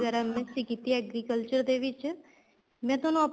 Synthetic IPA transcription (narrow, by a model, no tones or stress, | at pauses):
ɡəɾamẽsikit̪iɛɡɾikəlt͡ʃəɾd̪eʋɪt͡ʃ | mɛ̃ːt̪onõɐp